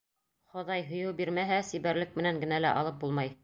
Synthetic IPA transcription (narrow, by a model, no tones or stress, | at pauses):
χŏðɑjɦŏjɤwbiɾmæɦæsiβæɾlɘk̚mɘ̆næŋɡɘ̆nælæʔɑ̰lˠɤp̚bulˠmɑj